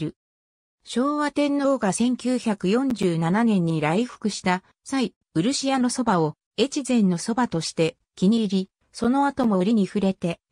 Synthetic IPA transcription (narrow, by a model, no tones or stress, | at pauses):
ɾɯ̟ | ɕo̞ːβat̪ẽ̞nːo̞ːɡasẽ̞ŋkʲɨːçakɯ̟jõ̞ɲ̟d͡ʑɨːnananẽ̞ɲ̟ːiɾaiɸɯ̥kɯ̟ɕi̥t̪a | sai | ɯ̟ɾɯ̟ɕijano̞so̞bao̞ | e̞t͡ɕizẽ̞nːo̞so̞bat̪o̞ɕi̥t̪e̞ | kʲiɲ̟iɾʲi | so̞no̞at̪o̞mo̞ɾʲiɲ̟iɸɯ̟ɾe̞t̪e̞